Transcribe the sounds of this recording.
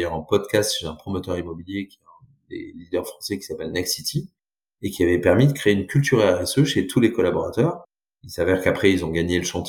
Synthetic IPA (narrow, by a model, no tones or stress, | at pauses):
jœʁɑ̃pɔd̪kʲast̪ʃezɛ̃pχɔmɔt̪œʁimɔbiljekʲjɛt̪ɛ̃ | d̪ḛlid̪œʁfχɑ̃sɛkʲi̥sapɛlnɛksit̪ʰi | ekʲiavɛpɛʁmid̪əkχeeynkʲylt̪yʁɛʁɛsøʃet̪ʰulekɔlabɔʁat̪œːʁ | ilsavɛʁkapχɛilzɔ̃ɡaɲeləʃɑ̃t̪